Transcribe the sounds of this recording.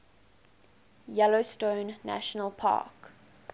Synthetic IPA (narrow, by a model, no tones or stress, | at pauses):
jɛlostõʊnːæ̰ʃənəlˠpʰa̰ːk